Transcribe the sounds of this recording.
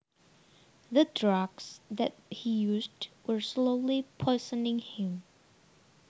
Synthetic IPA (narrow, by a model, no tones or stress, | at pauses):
ðədɹaɡsðɛt̚hijuzdwə˞sloʊlipʰɔɪsənɪ̃ŋhɪ̃m